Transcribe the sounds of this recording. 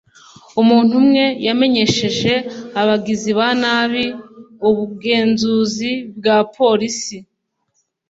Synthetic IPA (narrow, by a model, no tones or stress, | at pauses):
umuːn̥umŋe̞jame̞ɲe̞ʃe̞ʒe̞aβaɡiziβanaːβiuβuɡe̞ːnzuːzib̚ɡaːpʰo̞ɾisi